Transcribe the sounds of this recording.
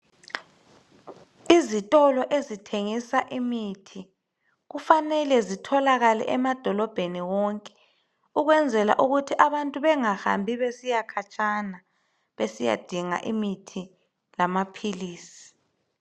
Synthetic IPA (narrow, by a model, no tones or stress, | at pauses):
izitʼɔlɔʔezitʰeŋisaʔimitʰi | ɣufanɛlɛzitʰɔlaɣalɛ̰ʔɛmad̥ʱɔlɔb̥ʱeniwɔŋkʼɛ̥ | uɣwɛnd͡zʱɛla̰ʔuɣutʰiʔaβantʼuβɛŋaha̰mbʱiβesijakʰat͡ʃʼana | βesija̰d̥ʱiŋa̰ʔimitʰi | lamapʰiliːsi̥